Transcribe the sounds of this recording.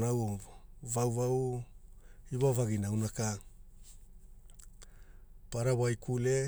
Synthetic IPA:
nawovawvaw | iβavaɡinawnaka | paɾawajkʰule

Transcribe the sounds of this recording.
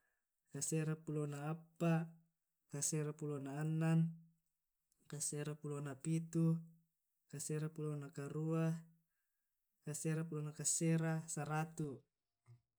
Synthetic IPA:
kaseɾapulonaːpːa | kaseɾapulonaːnːan | kaseɾapulonapit̪u | kaseɾapulonakaɾua | kaseɾapulonakaseɾasaɾat̪u

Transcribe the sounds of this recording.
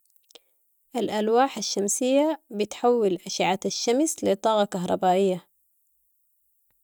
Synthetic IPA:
ʔalʔalwaːħaʃːamsɪjːabɪt̪ħawːɪlʔaʃɪʕat̪aʃːamslɪt̪ˤɑːɣɑkaɦɾˤɑbaːʔɪjːa

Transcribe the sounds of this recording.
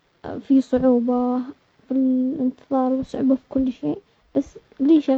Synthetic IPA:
fisˤʊʕuːba | fiɪnt̪ɨðˤɑːɾˤwsˤʊʕuːbafi̥kʊlːʃeː | b̥asː | liːʃa

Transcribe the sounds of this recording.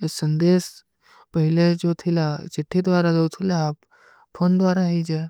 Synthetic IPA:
esənd̪eːs | pəɦiled͡ʒot̪ʰilat͡ʃiʈʰːid̪ʋaɾaot̪ʰilaːp | fʰoːnd̪ʋaɾaɦid͡ʒe

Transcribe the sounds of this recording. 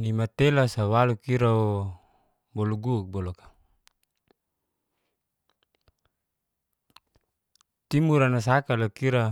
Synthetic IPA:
nimat̪elasawalukiɾao | bɔluɡuk̚bolokḁ | t̪imuɾanas̬akalakiɾa

